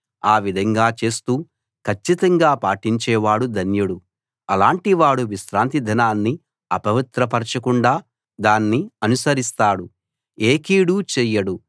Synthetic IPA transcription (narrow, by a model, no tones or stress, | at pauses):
aːʋid̪ʱɐŋɡaːt͡ʃe̞ːst̪uː | kʰɐt͡ʃːit̪ɐŋɡaːpaːʈiɲt͡ʃɛːʋaːɽud̪ʱɐnjɐɽu | ɐlaːɳʈiʋaːɽuʋiʃɾaːnt̪id̪ʱɐnaːnːi | ɐpɐʋit̪ɾɐpɐɾt͡ʃɐkuɳɖaː | d̪aːnːiɐnusɐɾist̪aːɽu | eːkiːɽuːt͡ʃɛːjɐɽu